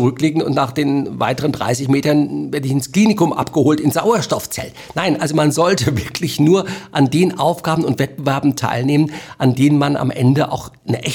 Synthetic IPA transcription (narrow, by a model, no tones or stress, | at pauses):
ʁʏkleːɡŋ̩ʊ̰ntnaːχd̥eːnva̰ɪtəʁ̞əndʁa̰ɪs̬ɪçmeːtɐnveːɐdəɪçɪnskl̥iːnɪkʊmʔa̰pɡ̥əhoːltɪnz̥aʊɐʃtɔft͡sɛ̰ltnaɪnʔalzomanzɔltəvɪɐkʰlɪçnuːɐʔandeːənʔaʊfɡ̥aːbən̩ʊntv̥ɛt̚b̥əvɛɐbm̩tʰa̰ɪlneːmənʔandeːnənmana̰mʔɛ̰ndəʔa̰ʊxnəʔɛç